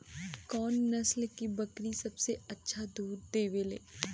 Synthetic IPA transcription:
kɔːnːɐslkibɐkɾisɐbseɐtːʃʰad̪uːɾd̪eːʋelḛː

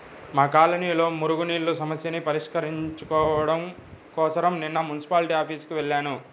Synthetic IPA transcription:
maːkaːlɐniːlo̞ːmuɾuɡuniːɭːusɐmɐsjɐnipɐɾiʂkɐɾiɲt͡ʃukɔːʋɐɽɐmkɔːsɐɾɐmninːɐmunisi̥paːlʈiːaːpʰiːskiʋeɭːaːnu

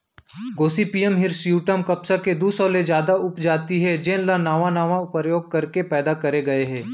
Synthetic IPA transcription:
ɡoːsipiːəmɦɪɾsjuːʈəmkɐpsaked̪uːsɔːled͡ʒjaːd̪aʊpd͡ʒaːt̪iɦɛd͡ʒenlanaːʋãnaːʋãʊpɾəjoːɡ̚kɐɾkepɛːd̪akɐɾeɡɐeɦɛ̃ː

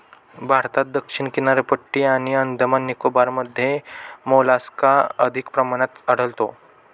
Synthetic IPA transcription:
bʱaɾt̪at̪̚d̪əkʂiɳkinaɾpəʈːiːaɽ̃iənd̪ʱəmanːikobaɾməd̪ʱːjemolaskaəd̪ʱikpɾəmañat̪əɽ̤əlt̪o̰

